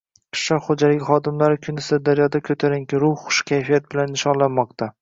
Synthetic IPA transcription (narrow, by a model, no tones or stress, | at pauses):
ɪ̥ʃlɒχod͡ʒalɪkʲχɒd̪ɪmlaɾɪkʲʰʊnɪsɪɾd̪aɾjɒd̪akʲʰɵt̪ʰaɾɪŋkʲɪɾʊhːʊ̥ʃkʲʰajfijat̪̚bɪlanːɪʃɒnlanmɒqt̪ʰa